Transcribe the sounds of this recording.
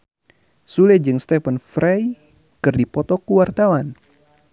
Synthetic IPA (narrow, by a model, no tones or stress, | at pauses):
sulɛd͡ʒɨŋst̪ɛfənfɾɛj | kɨrdipɔt̪ɔkuwart̪awan